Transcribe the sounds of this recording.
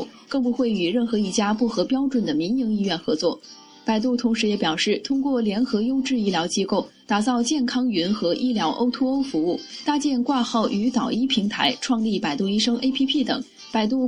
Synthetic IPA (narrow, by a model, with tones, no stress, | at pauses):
kɤ˥˩ŋpu˧˥xwe˥˩ɪy˨˩ɻə˥˩nxɤ˧˥i˥˩t͡ɕja˥pu˥˩xɤ˧˥pjɑ˥ʊʈ͡ʂwə˨˩nd̪ə˩mi˧˥nji˧˥ŋi˥˧ɥɛ˥˩nxɤ̰˧˥t͡swɔ˥˩ | pa˨˩ɪt̪u˥˩t̪ʰʊ˧˥ŋʂɻ̩˧˥jɛ˧˥pjɑ˨˩ʊʂɻ̩˥˩t̪ʰʊ˥ŋkwɔ˥˩ljɛ˧˥nxɤ˧˥jo˥ʊʈ͡ʂɻ̩˥˧i˥˩ljɑ˧˥ʊt͡ɕi˥ko˥˩ʊ | t̪a˨˩t͡sɑ˥˧ʊt͡ɕjɛ˥˩nkʰɑ˥ŋy˧˥nxɤ˧˥ʔi˥ljɑ˧˥ʊʔo˥ʊt̪ʰu˥o˥ʊfu˧˥u˥˩t̪a˥˧t͡ɕjɛ˥˧nkwa˥˧xɑ˥˩ʊʔy˧˥t̪ɑ˨˩ʊi˥pʰi˧˥ŋt̪ʰa˧˥ɪʈ͡ʂʰwɑ˥˧ŋli˥˩pa˨˩ɪt̪u˥˧i˥ʂɤ˥ŋʔe˥ɪpʰi˥pʰi˥˩t̪ɤ̰˨˩˦ŋ | pa˨˩ɪt̪̬u˥˩